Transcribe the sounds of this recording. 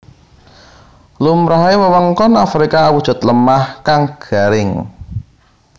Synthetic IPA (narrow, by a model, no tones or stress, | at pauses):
lumɾaɦewəwəŋkɔnafɾikaːwud̥ʒ̥ɔ̤t̪ləmahkaŋɡ̥a̤ɾɪŋ